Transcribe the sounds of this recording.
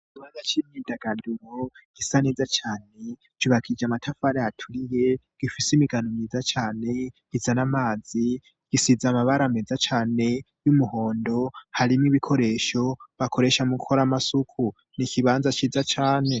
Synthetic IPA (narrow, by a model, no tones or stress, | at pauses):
iβanzat͡ʃimɲidaɡ̥anduɾoɡ̥isanezat͡ʃaːne̞ | t͡ʃuβakʰid͡ʒamatʰafaɾejatʰuɾije̞ | ɡ̥ifisimiɡanomiːzat͡ʃaːne̞ɡ̥izanamaːzi | ɡ̥isizamaβaɾamezat͡ʃaːne̞ | jumuho̞ːndo̞haɾimŋiβikʰo̞ɾe̞ʃo̞βakʰo̞ɾe̞ʃamuɡukʰo̞ɾamasukʰu | nikʰiβaːnzat͡ʃiːzat͡ʃaːne̞